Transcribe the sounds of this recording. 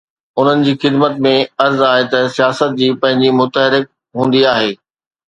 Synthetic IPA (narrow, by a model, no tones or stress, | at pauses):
ʊn̤ənɪ̆d͡ʑiːxɪd̪mət̪mẽɐɾzaːɦet̪ɐsijaːsət̪̚d͡ʑiːpɐ̃ɦɪ̃ɲd͡ʑimʊt̪əɦɪɾɪk̚ | ɦũːnd̪iaːɦeː